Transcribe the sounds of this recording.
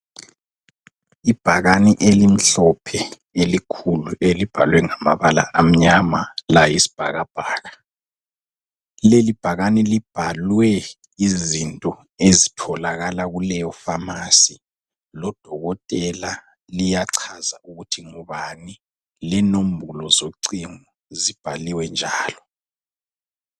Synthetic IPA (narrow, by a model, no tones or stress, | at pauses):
ib̥ʱaɣaniʔelim̩ɬɔpʰɛ | elikʰuluʔelib̥ʱalwɛŋama̰βala̰ʔam̩ɲamalajisi̥b̥ʱa̰ɣab̥ʱaːɣa | lelib̥ʱaɣanilib̥ʱalwɛ | izintʼɔ | ezitʰɔlaɣalaɣulɛjɔfamasi | lɔd̥ʱɔɣɔtʼɛla | lijaǀʰazaʔuɣutʰiŋuβani | lɛnom̩bʱulɔzoǀiŋu | zib̥ʱaliwɛnd͡ʒʱaːlɔ